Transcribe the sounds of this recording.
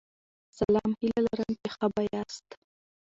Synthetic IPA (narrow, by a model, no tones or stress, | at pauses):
salɑmhilalaɾəmkexabajɑst̪